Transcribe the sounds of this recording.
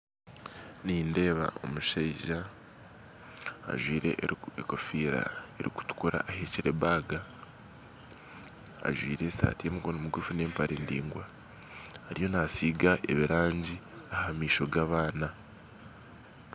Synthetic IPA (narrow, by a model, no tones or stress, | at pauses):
niːnde̞ːβa̰o̞̰muʃeiʒa | ʒwiːɾe̞̰ʔeko̞fiːɾa̰eɾiku̥tu̥kuɾa̰ʔːheciɾe̞baːɡa | a̰ʒwḭːɾe̞sa̰ːtijemuɡonomuɡufune̞ːmpaɾʔeːndḭːŋɡwaː | ɾijo̞nasiːɡaʔe̞̰βiɾaːɲɟiahamiːʃo̞ɡaβaːna